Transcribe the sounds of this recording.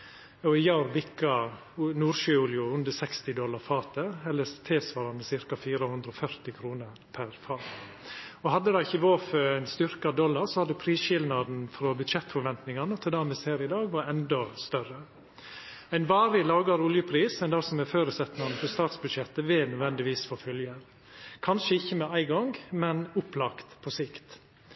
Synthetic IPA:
ɔɪjɑɾbɪkːɑ | nuːɾʃøːuːljʊʉnd̪əsɛkst̪ɪd̪ɔlːɑɾfɑːt̪əɛlːəɾt̪ʰɪlsʋɑːɾɑmɛsɪɾkɑfiːɾəhʉnd̪ɾəɔfœɾt̪ɪkʰɾuːnəɾpʰæɾfɑːt̪ | ɔhɑd̪ːəd̪ɑɪçəʋoːfœæɪnst̪ʏɾkɑd̪ɔlːɑɾsɔhɑd̪ʉpʰɾiːsʃɪlnɑd̪n̩fɾɔːbʉd̪ʃɛt̪ːfɔɾʋɛnt̪nɪŋɑnəɔt̪ʰɛld̪ɑːmɛsheːɾɪd̪ɑːɡʋɑɾɛnd̪ɔst̪œɾə | æɪnʋɑːɾɪlɑːɡɑɾʊljəpʰɾiːsæɛnd̪ɑsɔmɛføːɾəsɛt̪nɑnəfɔɾst̪ɑːt̪sbʉd̪ʂɛt̪ːəʋɪnœd̪ʋɛnd̪ɪʋiːsfoːfœljə | kʰɑnʂəɪçːəmɛæɪɡɔŋɡmɛnʊplɑkt̪pʰɔsɪkt̪

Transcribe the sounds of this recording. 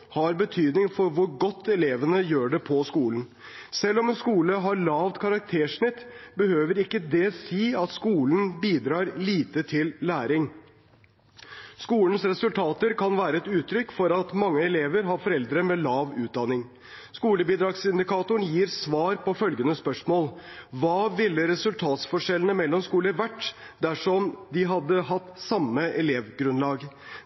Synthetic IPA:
hɑɾbət̪ʰyːd̪nɪŋfɔɾʋʊɾɡɔt̪ʰːɛleːʋənəjøːɖɛpʰɔskuːln̩ | sɛlːɔmɛnskuːləɦɑɾlɑːʋt̪kʰɑɾɑk̚t̪ʰeːʂɳɪt̪ːbəhøːʋəɾɪkːəd̪ɛsiːɑt̪skuːln̩biːd̪ɾɑːɾliːt̪ət̪ʰɪlːæːɾɪŋ | skuːln̩sɾɛsʉlt̪ʰɑːt̪əɾkʰɑnʋæːɾəɛt̪ʉːt̪ʰɾʏkːfɔɾɑt̪mɑŋːəɛleːʋəɾɦɑɾfɔɾɛld̪ɾəmɛlɑːʋʉːt̪̚d̪ɑnːɪŋ | skuːləbiːd̪ɾɑɡsɪnd̪ɪkʰɑːt̪ʊənjiːɾsʋɑːɾpɔfœlɡənəspœʂmoːlʋɑːʋɪlːəɾɛsʉlt̪ʰɑːt̪sfɔʂɛlnəmɛlːɔmskuːləʋæʈː | d̪æʂɔmd̪ɪɦɑd̪ːəɦɑt̪ːsɑmːəʔɛleːʋɡɾʉnlɑːɡ

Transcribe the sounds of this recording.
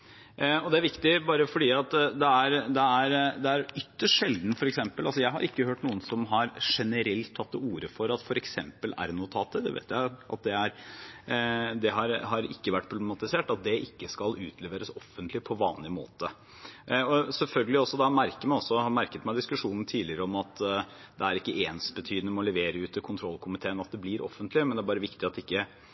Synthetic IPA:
ɔd̪ɛæɾʋɪkt̪ɪbɑːɾəfɔɖiːɑt̪d̪ɛæɾd̪ɛæɾd̪ɛæɾʏt̪ːəʂʈʂɛld̪n̩fɔɾɛksɛmpəlʔɑls̬ɔjæɪɦɑ̰ɾʔɪkːəhøːʈnuːənsɔmɦɑɾʂɛnəɾɛlt̪ʰːɑt̪ːuːɾəfɔɾɑt̪fɔɾɛksɛmpəlæ̰ɾnoːt̪ʰɑːt̪ːəd̪ɛ̰ʋḛːt̪jæɪʔɑ̰t̪̚d̪ɛæɾ | d̪ɛɦɑɾɦɑɾɪkːəʋæʈːpʰɾʊb̪ɛmɑt̪ɪseːʈɑt̪̚d̪ɛʔɪkːəskɑlʉːt̪ʰlɛʋeːɾəsɔfːənt̪lɪpʰɔʋɑːnlɪmo̰ːt̪ə | ɔsɛlfœlɡəlɪɔsːɔd̪ɑmæɾkəɾmæɪɔsːɔhɑɾmæɾkət̪mæɪd̪ɪskʉʂuːnn̩t̪ʰiːlɪɾəɔmɑt̪ | d̪ɛæɾɪkːəʔeːnsbət̪ʰyːd̪nəmɔləʋeːɾəʉːt̪əkʰʊnt̪ʰɾɔlkʰʊmɪt̪ʰeːnɑt̪̚d̪ɛblɪɾʔɔ̰fːənt̪ʰlɪmɛnd̪ɛæbɑːɾəʋɪkt̪ɪɑt̪d̪ɛɪkːə

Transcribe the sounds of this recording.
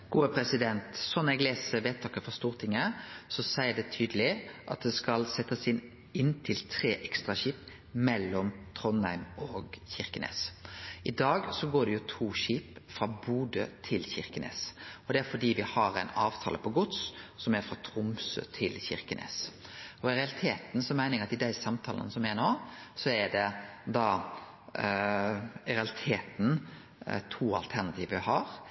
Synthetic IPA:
ɡ̥uːəpʰɾɛsɪd̪ɛnt̪sɔnɛɡleːsəʋeːt̪t̪ʰːɑːkəfɔst̪uːʁt̪ʰɪŋːəsɔsæɪəd̪ɛt̪ʰyːd̪əlɪʔɑt̪̚d̪ɛskɑlsɛt̪ːəsɪn | ɪnːt̪ʰɪlt̪ʰɾeːʔɛkst̪ʁɑɕiːp | mɛlːɔmt̪ʰɾɔnhæ̰ɪmɔɡçɪɾkənḛːsʔɪd̪ɑːɡsɔɡoːɖ̪ɛjʊt̪ʰuːʃiːpfɾɑːbuːd̪ø̰ːt̪ʰɪlçɪɾkənḛːsɔd̪ɛæɾfɔɖiːʋɪhɑɾæɪnɑːʋt̪ʰɑ̰ːləpʰɔɡʊt̪ssɔmæɾfɾɑt̪ʰɾʊmsø̰ːt̪ʰɪlçɪɾkənʔḛːsɔɪɾɛɑlɪt̪ʰeːt̪n̩sɔmæɪnɪŋɑt̪ɪd̪æɪsɑmt̪ʰɑ̰ːlə̰nəsɔmɛnoːsɔæɖɛd̪ɑː | ɪɾɛɑlɪt̪ʰeːt̪n̩ | t̪ʰuːɑ̰lt̪ʰæɾnɑt̪ʰiːʋəɪhɑɾ

